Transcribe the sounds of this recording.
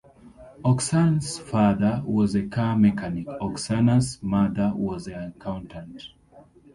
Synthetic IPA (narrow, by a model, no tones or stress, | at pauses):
ɔksansfaðə˞wɔzekʰamɛkʰanikɔksanasmaðəwɔzəãkʰãʊ̃ntʰãnt